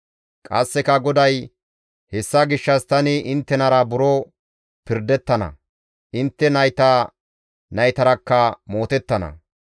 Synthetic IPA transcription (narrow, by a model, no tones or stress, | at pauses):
kʼɐ̰sːɛkɐɡɔd̪ɐj | hɛsːɐɡɪʃːɐst̪ɐnɪɪnt̪ːɛnɐɾɐbʊɾo | pɪɾd̪ɛt̪ːɐnɐ̰ | ʔɪnt̪ːɛnɐjt̪ɐ | nɐjt̪ɐɾɐkːɐmo̞ːt̪ɛt̪ːɐnɐ̰